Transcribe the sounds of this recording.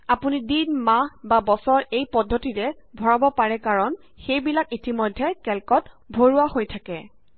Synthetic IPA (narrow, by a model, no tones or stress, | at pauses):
apunidinmababɔsɔɹʔejpɔdʱːotiɹɛ | bʱɔɹabɔpaɹɛkaɹɔn | xejbilakitimɔjdʱːɛkɛlkɔt | bʱoɹuahojtʰakɛ